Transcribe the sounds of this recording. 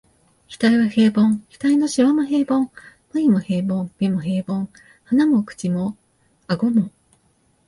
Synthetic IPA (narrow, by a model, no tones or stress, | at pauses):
kʲi̥t̪aiβahe̞ːbõŋkʲi̥t̪aino̞ɕiβamoɦeːbõŋ | mɯimohe̞ːbõmmʲimoɦe̞ːbõŋ | hanamokɯ̟̥t͡ɕimo | aɡo̞mo